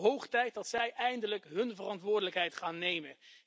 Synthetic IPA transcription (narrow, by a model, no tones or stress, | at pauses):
ɦowχtɛjt̚dɑtsɛjʔɛjndələkɦɵnvərɑntʋʊːɹdələkɦɛjtχaːnːejmə